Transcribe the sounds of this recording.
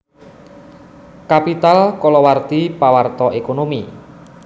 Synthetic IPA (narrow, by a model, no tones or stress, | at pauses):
kapit̪alkɔlɔwart̪ipawart̪ɔʔekonomi